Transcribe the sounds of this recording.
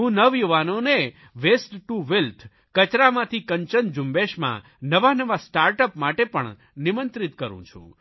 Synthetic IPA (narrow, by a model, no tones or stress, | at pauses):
ɦũnəʋjuʋanone | ʋesʈʈuʋelt̪ʰ | kət͡ʃɾamãt̪ʰikəɲt͡ʃənd͡ʒumbeʃmã̰ | nəʋanəʋasʈaɾʈəpmaʈepə̰ɳ | nimənt̪ɾit̪kəɾṵ̃t͡ʃʰṵ̃